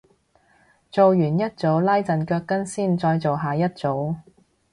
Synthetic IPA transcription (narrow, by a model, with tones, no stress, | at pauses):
t͡so˨wjyː˨˩njɐ˥t̚t͡so˨˥wlaː˥jt͡sɐ˨nkœː˧kːɐ˥nsiː˥˩nt͡sɔː˧jt͡so˨wɦaː˨jɐ˥t̚t͡so˨˥w